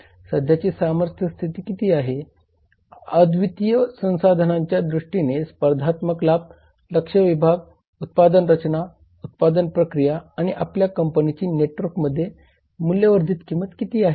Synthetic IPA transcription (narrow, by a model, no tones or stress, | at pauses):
səd̪ʱjat͡ɕiːsaməɾt̪ʰjəst̪ʰit̪iːkit̪iːaɦe | əd̪ʋit̪ijəsə̃w̃sad̪ʱənãɲt͡ɕjad̪ɾuʂʈinespəɾd̪ʱat̪məklab̚ | ləkʂəʋibʱaɡ | ut̪̚pad̪ənɾət͡ɕna | ut̪̚pad̪ənpɾəkɾijaːɽ̃iʔapljakəmpənit͡ɕiːneʈʋəɾkməd̪ʱːje | muljəʋəɾd̪ʱiːt̪kimət̪kit̪iːaɦe